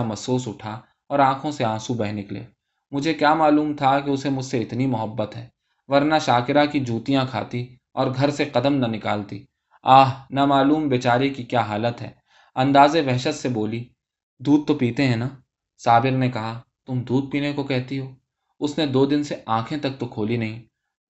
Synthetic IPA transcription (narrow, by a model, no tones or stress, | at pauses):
amɐsoːsʊʈʰa | ɔːɾãːkʰõseãːsubɛːɦnɪklḛː | mʊd͡ʒʱekjaːmaːluːmt̪ʰakeʊsemʊd͡ʒʱseɪt̪nimʊɦəbːət̪ɦɛː | ʋɐɾnaʃaːkɪɾakid͡ʒʱuːt̪ijãkʰa̰ːt̪i | ɔːɾɡʱɐɾseqɐd̪əmnɐnɪka̰ːlt̪iː | aːɦnamaːluːmbeːt͡ʃaːɾekikjaːɦaːlət̪ɦɛ̰ː | ɐ̃nd̪aːzeʋɛɦʃət̪seboːli | d̪uːd̪̚t̪opiːt̪eɦɛ̃naː | saːbɪɾnekɐɦa | t̪ʊmd̪uːd̪̚piːnekokɛɦt̪iɦoː | ʊsned̪oːd̪ɪnseãːkʰẽt̪ɐk̚t̪okʰoːlinɐɦĩː